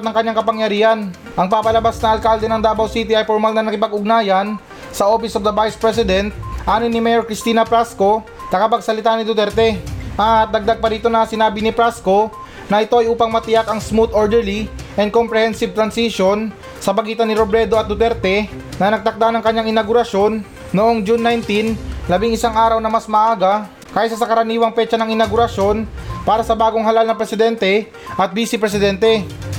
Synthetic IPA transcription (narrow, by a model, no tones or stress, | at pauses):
t̪nɐŋkɐɲːaŋkɐpɐŋjɐɾiːhɐn | ʔɐŋpaːpɐlɐbasnɐʔɐlkald̪ɛnɐŋd̪aːbɐwsit̪ɪɐjfoɾmalnɐŋnɐkɪpɐɡʊɡ̚naːjɐn | sɐʔo̞ːfɪsofd̪ɐvajspɹɛs̬ɪd̪ɛnt̪̚ʔaːnɪnːɪmɛjoɾkɾɪst̪iːnɐpɾasko̞ | nɐkɐpɐɡsɐlɪt̪aːnɪd̪ʊt̪ɛɾt̪ɛʔɐt̪̚d̪ɐɡ̚d̪aɡ̚pɐɾiːt̪o̞nɐsɪnaːbɪnɪpɾasko̞ | nɐʔɪt̪o̞ɐjʔuːpɐŋmɐt̪ɪjakɐŋsmut̪oɹd̪ɛɹliʔɛnd̪kompɾɛhɛnsɪb̚t̪ɾɐnsiʃo̞n | sɐbɐɡiːt̪ɐnɪɾobɾɛd̪oɐt̪̚d̪ʊt̪ɛɾt̪ɛnɐnɐɡ̚t̪ɐk̚d̪anɐŋkɐɲːaŋɪnɐɡʊɾɐʃjo̞nː | oʔo̞ŋd͡ʒunːajnt̪inlɐbiŋɪsaŋʔaːɾɐwnɐmɐsmɐʔaːɡɐ | kaːjɪsɐsɐkɐɾɐniːwɐŋpɛt͡ʃɐnɐŋɪnɐɡʊɾɐʃjo̞npaːɾɐsɐbaːɡo̞ŋɦɐlalnɐpɾɛsɪd̪ɛnt̪ɛ | ʔɐt̪̚biːsɪpɾɛsɪd̪ɛnt̪ɛ